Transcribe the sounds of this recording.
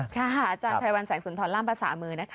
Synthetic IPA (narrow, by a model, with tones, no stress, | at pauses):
kʰa˥˩ʔaː˧˩t͡ɕaː˧pʰaː˧wa˧nsɛː˩˦ŋsu˨˩˦t̪ʰɔː˧laː˥˩mpʰa˧sa̰ː˩˦mɯː˧na˦˥kʰ